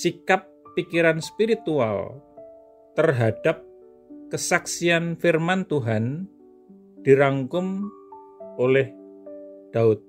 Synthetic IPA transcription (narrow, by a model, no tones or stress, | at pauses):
sikapːikiɾanspiɾit̪ua̰l | t̪ərɦad̥ap̚ | kəsaksianfirmant̪uɦan | d̪̥iɾaŋkʊm | olɛh | d̪̥aʊt̪̚